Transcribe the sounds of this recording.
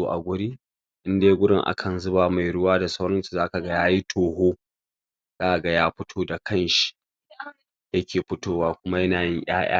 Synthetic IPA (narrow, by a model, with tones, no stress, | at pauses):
oː˦ʔa̰˨ɡʷʊ˦ɽiː˦ | ʔɪ˦ndeː˦ɡʷʊ˦ɽɪ˦ŋʔa̰˦kʰɐ˨nzʊ˦baː˨ma˨jɽʊ˦waː˦da˨sa˦wɽɐ˦nsu̥˨zaː˦ka˨ɡa˦jaː˦ji˦tʰoː˨ɦoː˦ | zaː˦ʔa˨ɡa˦jaː˦ɸɪ˦tʰoː˦da˨kʰɐ˦˨nʃi̥˨ | jɐ˦kʲʰeː˨ɸɪ˦toː˦waː˦kʷʊ˦ma˦jɐ˦naː˨jɪ˦ɲʔj̰a̰ː˦j̰a̰ː˦